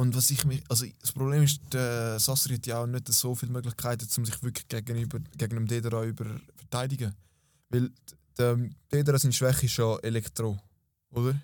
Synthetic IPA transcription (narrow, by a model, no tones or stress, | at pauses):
ʊntvɑsɪχmɪɑlsospɾobleːmɪʃd̥əsɑsəɾhɛtjɑaʊnøtəz̥oːfiːlmøɡlɪχkʰaɪtət͡sʊmsɪχvykʰlɡ̥ɛɡənyːbəɡ̥ɛɡnəmdeːdəɾɑybəɾfɛtaɪdɪɡə | vɪl | d̥əd̥eːdəɾɑːsɪntʃv̥ɛχiʃoʔelɛktɾoː | odəɾ